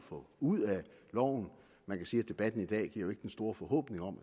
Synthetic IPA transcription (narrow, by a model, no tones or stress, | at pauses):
fɔ̽uð̰ˠælɒ̰ʊ̰n̩ | mænkʰæsiːæd̥e̝b̥æd̥n̩id̥ɛ̰ːɡ̥ḭɐjo̝e̝ɡ̥d̥ensd̥o̝ːɐfɒ̽hɔ̰̽ːb̥ne̝ŋɒ̽m̰